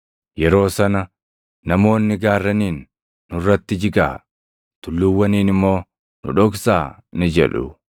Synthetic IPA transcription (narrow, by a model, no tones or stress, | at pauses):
jɛɾo̞ːsɐnɐ | nɐmo̞ːnːɪɡaːrːɐniːnː | ʊrːɐt̪ːɪd͡ʒɪɡa̰ː | t̪ʊlːʊwːɐniːnɪmːo̞ː | nʊ̰ᶑɔɡsaː | nɪd͡ʒɛ̰ᶑʊ̰